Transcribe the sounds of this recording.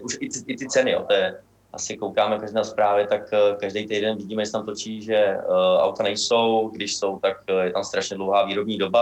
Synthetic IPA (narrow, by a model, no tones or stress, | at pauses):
ʔuʃɪɪʔɪt̪ɪt͡sɛnɪjo̰t̪ɛɛ | ʔa̰sɪko̞wkaːmɛkaʒdɛspɾaːvjɛt̪akkaʒdejt̪ejdɛnvɪɟiːmɛjɛsɛt̪amt̪ot͡ʃiːʒɛʔa̰wt̪anɛjso̞wɡdɪʃso̞wt̪akjɛt̪amst̪ɾaʃɲɛdlo̞wɦaːviːɾo̞bɲiːdo̞ba